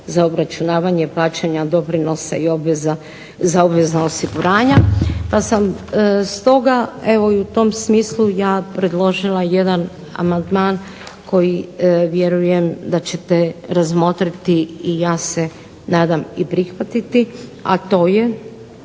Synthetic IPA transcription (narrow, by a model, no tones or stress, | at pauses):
zaobɾat͡ʃunaːʋaɲe̞plˠaːt͡ʃaɲad̪o̞pɾino̞saio̞bʋeza | zaobʋeznaosiɡuɾaːɲapasamst̪o̞ɡaeʋo̞iut̪o̞msmiːslˠujaːpɾe̞d̪lˠo̞ʒilˠaje̞d̪an | a̰mand̪maːn | kʰo̞jiʋje̞ɾuje̞md̪at͡ɕe̞t̪e̞ɾazmo̞t̪ɾit̪iijaːse̞ | naːd̪amipɾixʋat̪it̪ia̰t̪o̞ːje̞